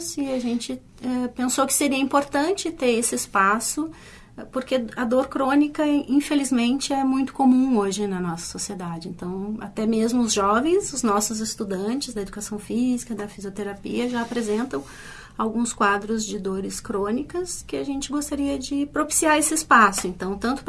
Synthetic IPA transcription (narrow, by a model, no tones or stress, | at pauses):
sɪaʒẽnt͡ʃɪ | ɛpẽsowkɪ̥seɾiɐĩpoɾt̪ɐ̃nt͡ʃɪt̪eɾesɪɪspasʊ | poɾkeɐd̪oɾkɾõnikɐĩfelizmẽnt͡ʃɪɛmũj̃t̪ʊ̥komũoʒɪnɐnɔsɐ̥sosied̪ad͡ʒɪẽnt̪ɐ̃w̃a̰t̪ɛmezmʊʊzʒɔvẽj̃sʊznɔsʊzɪst̪ud̪ɐ̃t͡ʃɪzd̪ɐed̪ukasɐ̃w̃fizikɐd̪ɐfiziot̪eɾapḭɐʒaːpɾezẽnt̪ɐ̃w̃ | awɡũskwad̪ɾʊzd͡ʒɪd̪oɾɪskɾõnikɐskɪaʒẽnt͡ʃɪɡost̪aɾiɐd͡ʒɪpɾopi̥siaɾesɪɪspasʊẽnt̪ɐ̃w̃t̪ɐ̃nt̪ʊ̥p